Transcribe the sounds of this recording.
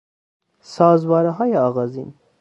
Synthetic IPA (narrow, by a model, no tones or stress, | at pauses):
sɒːzvɒːɾɛɦɒːjeɒːɣɒːzḭːn